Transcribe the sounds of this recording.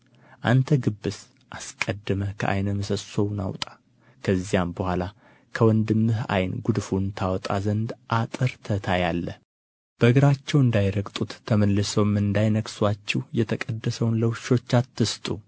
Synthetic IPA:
ʔant̪ʰəɡɨbːɨs | ʔaskʼəd̪ːɨməkʰə̰ʔa̰jnəməsəso̞wna̰wt̪ʼḁ | kʰəzːijambəhʷala | kʰəwɔnd̪ɨmːɨha̰jnɡud̪funt̪ʰawɔt̪ʼa̰zənd̪ʔat̪ʼɨɾt̪ʰət̪ʰajalːəh | b̥əɡɨɾat͡ʃːɛwɨnd̪ajɾəkʼt̪ʼut̪ʰːəməlːɨsəwmɨnd̪ajnəkʼswat͡ʃːɛwjɛt̪ʰəkʼəd̪ːəsəwnləwʃo̞t͡ʃːat̪ːɨst̪ʼu

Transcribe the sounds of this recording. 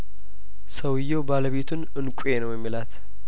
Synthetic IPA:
səwɨjːobaləβe̞t̪ʰunɨnkʷʼujenəwjɛmːilat̪

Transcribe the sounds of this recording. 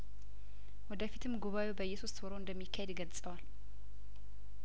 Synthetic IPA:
wɔd̪əfit̪ʰɨmɡuβawebəjːɛsust̪wɔɾoɨnd̪əmːikʰːahed̪ɡəlsʼəwal

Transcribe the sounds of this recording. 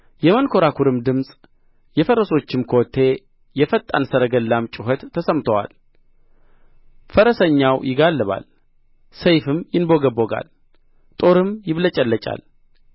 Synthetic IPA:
jɛmənkʰo̞ɾakʰuɾɨmd̪ɨmsʼ | jɛfəɾəso̞t͡ʃːɪmkʰo̞t̪ʰːe̞ | jɛfət̪ʼːa̰nsəɾəɡəlːamt͡ʃʼɪɦət̪ʰːəsəmt̪ʰəwa̰l | fəɾəsəɲːawjɪɡalːɨβa̰l | səjfɨmjɪnboɡəboɡa̰l | t̪ʼo̞ɾɨmjɪβlət͡ʃʼəlːət͡ʃʼa̰l

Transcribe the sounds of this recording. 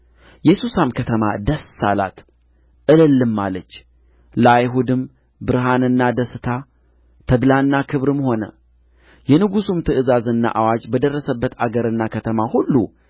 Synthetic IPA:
jɛsusamkʰət̪ʰəma̰d̪əsːala̰t̪ | ʔɨlɨlːɨmːalət͡ʃː | ləajɦud̪ɨm | bɨɾɦanɨnːad̪əsɨt̪ʰa | t̪ʰəd̪lanːakʰɨβɾɨmho̞nə̰ | jɛnɨɡusumt̪ʰɨʔɨzazɨnːa̰ʔawad͡ʒbəd̪ərːəsəbːət̪aɡəɾɨnːakʰət̪ʰəmahulːu

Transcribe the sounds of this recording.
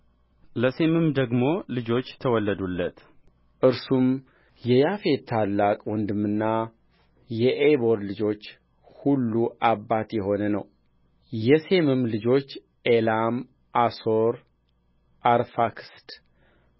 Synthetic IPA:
ləse̞mɨmd̪əɡmo̞lɨd͡ʒo̞t͡ʃːt̪ʰəwɔlːəd̪ulːət̪ | ʔɨɾsum | jɛjafe̞t̪ʰalːakʼwɔnd̪ɨmɨnːa | jɛʔebo̞ɾd̪lɨd͡ʒo̞t͡ʃː | hulːuʔabːat̪jɛɦo̞nənə̰w | jɛse̞mɨmlɨd͡ʒo̞t͡ʃː | ʔelam | ʔaso̞ɾ | ʔaɾfakst̪

